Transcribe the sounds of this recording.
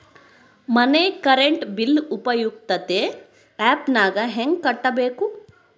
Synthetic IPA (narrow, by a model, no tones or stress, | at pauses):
mɐneːkɐɾeɳʈbilːupɐjuɡ̚t̪ɐt̪e | ɛːpnaːɡɐɦeŋɡ̚kɐʈːɐbeːku